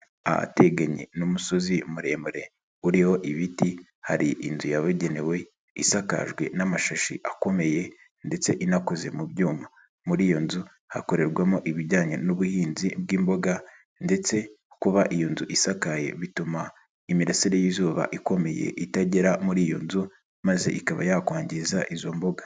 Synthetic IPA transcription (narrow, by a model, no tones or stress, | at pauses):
a̰a̰te̞ɡaɲḛnumuso̞zimuɾe̞muɾe̞ | uɾiho̞ʔiβiti | haɾiʔḭnzujaβoɟenewe̞ | ḭsaka̰ʒɡwe̞̰namaʃaʃḭʔako̞me̞je̞ | nde̞t͡se̞ʔinakuze̞̰mubɟuːma | muɾijo̞nzu | ha̰ko̞ɾe̞ɾɡwamoʔiβiɟaːɲe̞̰nuβuhiːnzib̚ɡiːmbo̞ɡa | nde̞t͡se̞ | kuβaʔijonzuʔisakaje̞̰βituma | imiɾaseɾejizuːβa̰ʔiko̞me̞̰je̞̰ʔitaɟeɾamuɾiːjo̞̰nzu | maze̞̰ʔikaβa̰jaːkwaːɲɟizaʔizo̞mbo̞ɡḁ